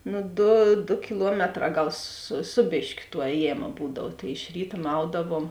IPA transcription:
ˈnʊ ˈdʊ dʊ kʲɪˈlˠuɔmʲɛtˌrɑː ˈɡɐlˠ sʊ ˈsʊ bʲeːʃʲkʲʊ tuɔ ˈɛːjeːmɐ ˈbuːdɐw tɐɪ ɪʃ ˈrʲiːtɐ ˈmɐʊdɐʋoːm

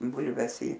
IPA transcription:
ˈbʊlʲʋʲɛs iː

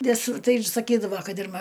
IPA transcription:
ˈʋʲɪsʊr ˈtɐɪ ɪr sɐˈkʲiːdɐʋoː ˈkɐt ɪr mɐ

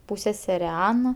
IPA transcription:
ˈpuːsʲsʲɛsʲɛrʲɛ ˈɑːnɐ

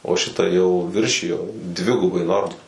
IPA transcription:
oː ʃʲɪˈtɐ jɛʊ ˈʋʲɪrʲʃʲɪjoː ˈdʲʋʲɪɡʊbɐɪ ˈnoːrmɐ

